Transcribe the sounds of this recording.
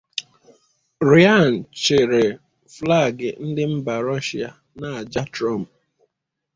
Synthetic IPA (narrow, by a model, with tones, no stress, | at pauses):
ɾi˨˦a˦˨n̩˨t͡ʃɪ˨ɾe˨ | fla˦˨ɡɪ˨n̩˦dɪ˦m̩˦ba˨ɾɔ˦ʃi˨a˨ | na˨a˨d͡ʒa˦tɾɔ˦˨m̩˨